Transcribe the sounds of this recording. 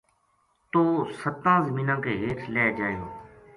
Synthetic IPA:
t̪oːsət̪ãːzəmĩːnãːkeːɦeːʈʰlɛːd͡ʒaːjo̰ː

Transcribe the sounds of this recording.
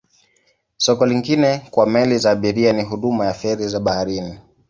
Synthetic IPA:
sɔkɔliŋɡinɛkwamɛlizaːɓiɾianiɦuɗumajaθɛɾizaɓahaɾini

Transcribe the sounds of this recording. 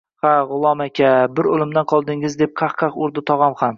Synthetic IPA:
haʁʊlˠɒmakʲʰabɪɾolˠɪmd̪anqʰɒlˠd̪ɪŋɪzd̪e̞p̚qʰɑχqʰɑqʊɾd̪ɪt̪ʰɒʁɒmham

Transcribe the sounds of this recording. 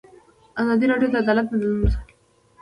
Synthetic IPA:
azɑd̪iɾɑɖjot̪aːd̪ɑlat̪̚nananumsa

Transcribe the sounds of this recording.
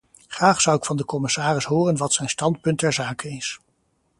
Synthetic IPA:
χraːχsʌwɪkfɑndəkɔmɪsaːrɪsɦʊːrənʋɑtsɛjnstɑnt̚pɵntɛɹzaːkənɪs

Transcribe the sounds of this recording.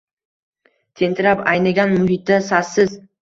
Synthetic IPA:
t̪ʰe̞nt̪ʰɪɾapajnaɡʲanmʊɦɪt̪̚ːasasːɪz

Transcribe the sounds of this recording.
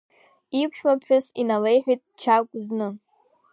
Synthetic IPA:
ipʷʰʃmapʰħʷᶣʊsinalejħʷᶣitʼt͡ʃʰakʷʼznɨ

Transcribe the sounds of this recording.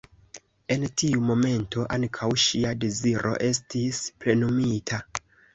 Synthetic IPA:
e̞ntiumo̞me̞ntʰo̞ʔankʰawʃiadeziɾʔo̞̰ʔe̞stispɾe̞numitʰa

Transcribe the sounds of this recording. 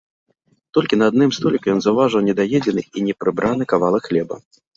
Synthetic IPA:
t̪ɔlʲkʲinaːd̪nɨmst̪ɔlʲikjɔnzɐwvaʐɨwnʲɛd̪ajɛd͡zʲɛnɨinʲɛpɾɨbɾʔanɨkavalˠɐxlʲɛbɐ̰

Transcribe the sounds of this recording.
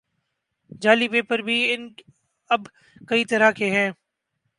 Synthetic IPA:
d͡ʒaːlipeːpəɾbʱiɪn | ɐb | kɐiːt̪ɐɾakeɦɛ̃ː

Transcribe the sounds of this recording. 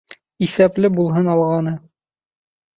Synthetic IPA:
isæplɘbulˠɦɤnɑlˠʁɑnɤ

